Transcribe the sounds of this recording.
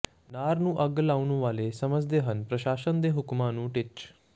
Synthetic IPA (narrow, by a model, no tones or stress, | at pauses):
naːɾnũːʔəɡlaːunũʋaːleːsəməd͡ʒd̪eːɦənpɾəʃaːʃənd̪eːɦʊkmãːnũːʈɪt͡ʃ